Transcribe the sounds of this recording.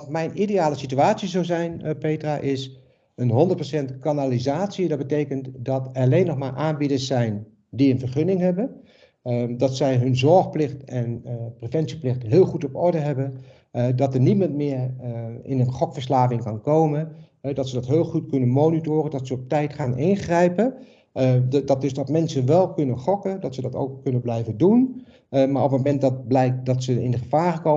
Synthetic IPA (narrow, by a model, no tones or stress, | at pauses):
mɛjnʔidejaːləsityaːtsizowzɛjnpejtraʔɪs | ənɦɔndət̚prosɛntkanalizaːtsidɑd̚bətejkəntdɑtɛlejnːɔχmaːɹʔaːnbidəɹsɛjn | diənvəɹχɵnɪŋɦɛbən | dɑtsɛjɦɵnzɔɹχplɪχtɛnprevɛntsi̥plɪχtɦɪːlˠχutɔpɔɹdəɦɛbən | dɑtəɹnitmɑntmɪːɹɪnənχɔkfəɹslaːvɪŋkɑnkowmənɦɛdɑtsədɑtɦɪːlˠχutkɵnənmownitoːrədɑtsəɔp̚tɛjtχaːnʔɪnχrɛjpə | dɑt̚dɵsdɑtmɛnsənʋɛlˠkɵnənχɔkədɑtsədɑto̰wkːɵnənblɛjvəndun | maːɹɔpmomɛnt̚dɑt̚blɛjk̚dɑtsəɪ̰ndəχəv̥aːɹχəkow